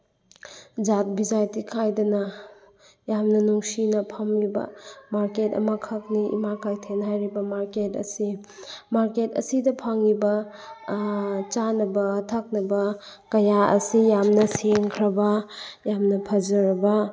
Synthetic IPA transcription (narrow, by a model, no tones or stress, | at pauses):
d͡ʒat̚bid͡ʒajtikʰajdɐnɐ | jamnɐnuŋsinɐpʰɐmlibɐ̰maɾketɐ̰mɐkʰɐk̚niḭmakʰajtʰenɦajɾibɐmaɾketɐ̰si | maɾketɐ̰sidɐpʰaŋibɐ | t͡ʃanɐbɐtʰɐk̚nɐbɐ | kɐjaɐ̰sijamnɐseŋkʰɾɐbɐjamnɐpʰɐzɐɾɐbɐ